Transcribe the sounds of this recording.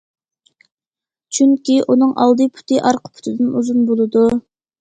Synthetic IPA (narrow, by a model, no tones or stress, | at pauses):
t͡ʃʰyŋkʲiʔunɨŋʔɑ̰lˠd̪ɨpʰy̥t̪ʰɨʔɑɾqʰə̥pʰy̥t̪ʰɪd̪ɪnuzunbolˠɨd̪u